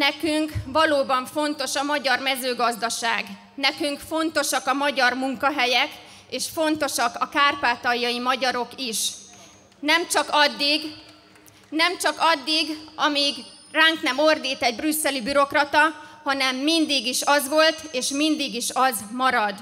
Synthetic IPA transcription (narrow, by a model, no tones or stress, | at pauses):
nɛkyŋkʋɒloːbɒɱfo̞n̪t̪o̞ʃɒmɒɟɒrmɛzøːɡɒzd̪ɒʃaːɡ | nɛkyŋkfo̞nt̪o̞ʃɒkɒmɒɟɒrmuŋkɒɦɛjɛk | eːʃfo̞nt̪o̞ʃɒkɒkaːrpaːt̪ɒjːɒjimɒɟɒɾo̞kiʃ | nɛmt͡ʃɒkɒd̪ːiɡ | nɛmt͡ʃɒkɒd̪ːiɡɒmiːɡ | raːŋknɛmo̞rd̪iːt̪ɛɟbrysːɛlibyɾo̞krɒt̪ɒhɒnɛmːind̪iɡiʃɒzʋo̞lt̪eːʃmind̪iɡiʃɒzmɒɾɒd̪